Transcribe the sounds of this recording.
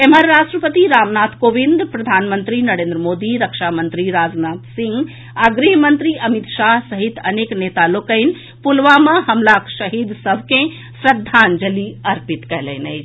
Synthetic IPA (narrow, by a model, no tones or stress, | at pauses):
eməɾːaːʃʈɾəpət̪iɾaːmnaːt̪ʰkoːʋind̪pɾɐd̪ʱaːnmənt̪ɾinɐɾẽːnd̪ɾəmoːd̪iɾɐkʃamənt̪ɾiɾaːd͡ʒnaːt̪sĩŋɡ | aɡɾiɦmənt̪ɾiʔɐmit̪ʃaːɦsɐɦit̪ɐneːkneːt̪aloːkəjn | pulʋamãhɐmlaːkʃɐɦid̪sɐbkẽ | sɾɐd̪ʱːaːnd͡ʒɐliɐɾpit̪kɐɦlɛjnɐj